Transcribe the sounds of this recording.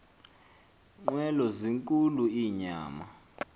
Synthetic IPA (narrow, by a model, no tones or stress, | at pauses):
ŋ͡ǃwɛlɔziŋkʼuluiːɲa̰ːma